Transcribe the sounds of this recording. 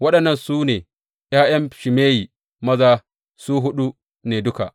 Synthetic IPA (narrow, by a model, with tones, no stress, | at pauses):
wɐ˦ɗɐ˨nːɐ˦˨nsuː˦neː˨ | j̰aː˦j̰ɐ˦mʃɪ˨meː˦ji˨ | mɐ˦zaː˦ | suː˦ɦʊ˦ɗu˦ | neː˨dʊ˦ka˨ʔ